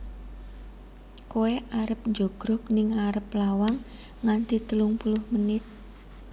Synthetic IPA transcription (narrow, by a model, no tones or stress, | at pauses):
koeʔaɾəp̚ɲd͡ʒoɡ̥ɾʊknɪŋaɾəplawaŋː | ant̪it̪əlʊŋpulʊhmənɪt̪̚